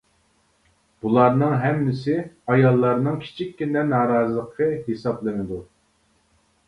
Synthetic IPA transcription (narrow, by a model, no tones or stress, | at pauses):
b̥ulˠɑɾnɨŋɦɛmːɪsɪɑjɑlˠːɑɾnɨŋkʲʰi̥t͡ʃʰikʲːinɛnɑːɾɑːzɨlˠəqʰəɦesɑplˠɨnɨd̪u